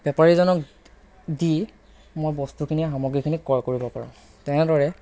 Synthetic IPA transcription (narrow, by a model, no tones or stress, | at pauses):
b̥ɛpaɹizɔnɔk | di | mojbɔstukʰiniɛɦamɔɡɹikʰinikɔɹkoɹibɔpa̰ɹã̰ | tɛnɛdɔɹɛ